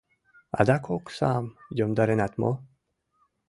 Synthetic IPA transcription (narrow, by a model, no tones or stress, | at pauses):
a̰d̪akʰoksaːmjɔmd̪aɾenat̪mo̰